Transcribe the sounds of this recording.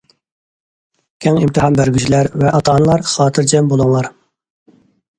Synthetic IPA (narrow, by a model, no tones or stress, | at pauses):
kʲʰɛŋimt̪ɨhɑnbæɾɡʲyt͡ʃʰilæɾvɛʔɑt̪ʰɑːnlˠɑɾχɑːt̪ʰɨɾd͡ʒɛmbolˠuŋlˠɑɾ